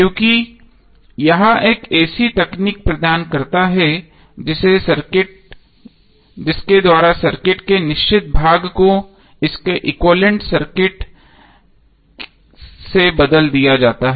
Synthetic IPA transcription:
kjõːki | jɐɦãʔeːkɛːsit̪ɐkniːk̚pɾɐd̪aːnkɐɾt̪aɦɛ | d͡ʒɪsesɐɾkɪʈ̚ | d͡ʒɪsked̪waːɾasɐɾkɪʈkenɪʃt͡ʃɪt̪̚bʱaːɡko | ɪskeʔɪkwoːlə̃ɳʈsɐɾkɪʈ | sebɐd̪əld̪ijad͡ʒaːt̪aɦɛ

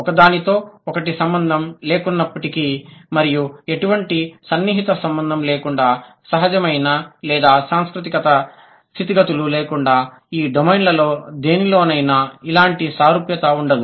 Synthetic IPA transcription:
ɔkɐd̪aːnit̪o̞ːɔkɐʈisɐmbɐnd̪ʱɐmleːkunːɐpːɐʈikimɐɾijue̞ʈuʋɐɳʈisɐnːiːɦit̪ɐsɐmbɐnd̪ʱɐmleːkuɳɖaːsɐɦɐd͡ʒɐmɐjnɐlɛːd̪aːsaːŋskɾut̪̬ikɐt̪ɐ | t̪ʰit̪iɡɐt̪ululeːkuɳɖaː | iːɖomɐjnlɐlo̞ːd̪e̞ːnilo̞ːnɐjnɐilaːɳʈisaːɾupjɐt̪ɐuɳɖɐd̪u

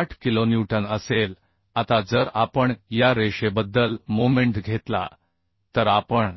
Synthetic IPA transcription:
aʈʰkilonjuʈənəsel | at̪ad͡zəɾapəɳjaɾeɕebəd̪ːəlmomẽɳʈɡʱet̪la̰ | t̪əɾapəɳ

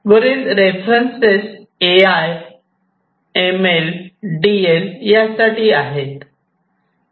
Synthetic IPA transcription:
ʋəɾiːlɾefɾənses | eaj | emelɖieljasaʈiːaɦet̪

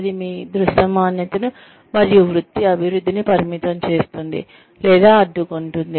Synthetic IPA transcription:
d̪imiːd̪ɾuʃɐmaːnjɐt̪ɐnu | mɐɾijuʋɾud̪ːiɐbʱiɾud̪ʱːinipɐɾimit̪ɐmt͡ʃe̞ːst̪und̪ḭ | lɛːd̪aːɐɖːukuɳʈund̪i

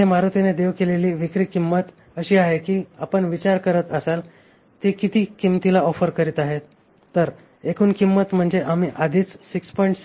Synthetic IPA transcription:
emaɾot̪ined̪eʋkeleliːʋikɾiːkimːət̪ | əɕiːaɦekiːapəɳʋit͡ɕaɾkəɾət̪əsal | t̪ekit̪iːkimt̪ilaɔfəɾkəɾiːt̪aɦet̪ː | əɾ | ekuːnkimːət̪m̤əɳd͡zeʔam̤iːʔad̪ʱiːt͡ssikspɔiɳʈs

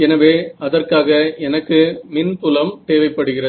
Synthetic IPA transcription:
ɛnɐʋeːɐðɐrkaːɣɐɛnɐkːɯmɪnt̪ʊlɐmt̪eːʋɐɪpːɐɽɯɣɪrɐ

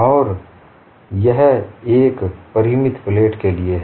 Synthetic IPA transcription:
ɔːɾ | jɐɦeːkpɐɾimɪt̪pleːʈkelie

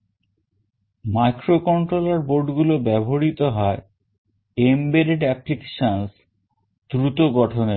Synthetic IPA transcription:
majkɾokɔɳʈɾolaɾboɾɖɡulobɛbʱoɾit̪oɦɔe | embeɾeɖɛplike̥ʃans | d̪ɾut̪oɡɔʈʰoneɾ

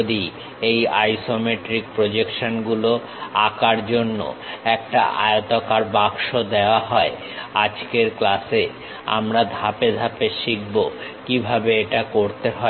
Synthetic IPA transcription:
d̪i | ejajsomeʈɾik̚pɾod͡ʑekʃonɡulo | akaɾd͡ʑonːo̰ɛk̚ʈa̰ʔa̰eot̪okaɾbakʃod̪eoaɦɔe | ad͡ʑkeɾklase | a̰mɾad̪ʱaped̪ʱapeʃik̚bokibʱabeeʈakoɾt̪eɦɔe

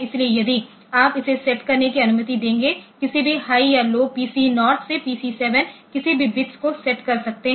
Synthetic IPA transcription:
ɪsliejɐd̪i | aːpɪsesɛʈkɐɾnekiɐnʊmət̪id̪ẽːŋɡekɪsibʱihaːijaloːɡ̚piːsinɔːɾt̪ʰsepiːsiːsɛːʋənkɪsibʱibɪtskosɛʈkɐɾsɐk̚t̪eɦ

